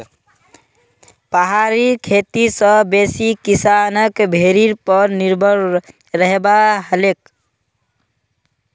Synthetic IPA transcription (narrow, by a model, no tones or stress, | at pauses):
pəɦaɾikʰet̪isəbesikisanəkbʱeɾiɾpəɾniɾbʱəɾ | ɾəɦebaɦəlek